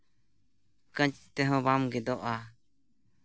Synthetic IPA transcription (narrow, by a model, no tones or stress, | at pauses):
kə̃t͡ʃt̪ɛɦɔ̃bamɡɛd̪ɔʔa